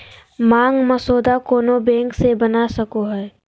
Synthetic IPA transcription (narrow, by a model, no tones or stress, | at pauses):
mãːŋɡmɐsoːd̪akoːnobɛ̃ːŋksebɐnasɐkoɦɛː